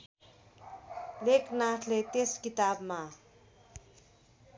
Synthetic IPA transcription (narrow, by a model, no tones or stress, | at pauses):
leknaʈʰlet̪eskit̪abma